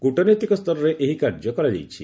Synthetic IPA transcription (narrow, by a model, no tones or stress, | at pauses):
kuʈɔnet̪ikɔst̪ɔɾɔɾeʔeɦikaɾd͡ʒɔkɔɾad͡ʒḛjt͡ʃʰi